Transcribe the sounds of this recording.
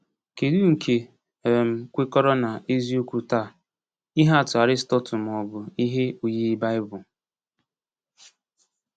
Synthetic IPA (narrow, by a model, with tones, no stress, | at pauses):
ke˨du˦ŋ̩˨kʰe˨ | m̩˨kʷe˦kɔ˦ɾɔ˦na˨e˦zi˦o˦kʷu˨ta˦˨ | i˦ɦa˦˨tʊ˨a˨ɾɪ˦stɔ˦tʊ˨m˨ɔ˨bʊ˨i˦ɦe˦u˨ji˦ba˦ɪ˦bʊ˨